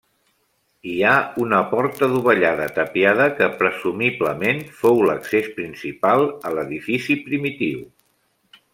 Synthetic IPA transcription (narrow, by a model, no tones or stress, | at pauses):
iaunəpɔɾt̪əðuβəʎaðət̪əpiaðəkəpɾəzumiβləmenfowləksespɾinsipalˠələðifisipɾimit̪iw